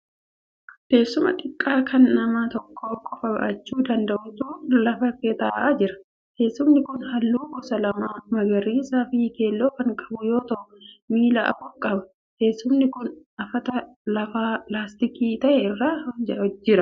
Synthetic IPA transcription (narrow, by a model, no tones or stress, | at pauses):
ke̞ːsːʊmɐ̰ᶑ̪ʼɪkʼːaːkʰɐnːɐmaːt̪ɔkʰːo̞ːkʼɔfɐbɐ̰ʔɐt͡ʃːuːd̪ɐnd̪ɐʔʊt̪uːlɐfɐkːɛt̪aːʔaːd͡ʒɪɾɐ̥ | ke̞ːsːʊmnɪkʊnhɐlːuːkɔsɐlɐmaːmɐɡɐɾiːsaːfike̞ːlːoːkɐŋkʼɐ̥bʊjo̞ːt̪ɐʔʊmiːlɐʔɐ̰fʊkʼɐbɐ | ke̞ːsːʊmnɪkʊnʔɐfɐt̪ɐ | lɐfaːplaːst̪ɪkiːt̪ɐʔɛɪrːaːd͡ʒɐɔd͡ʒːɪɾɐ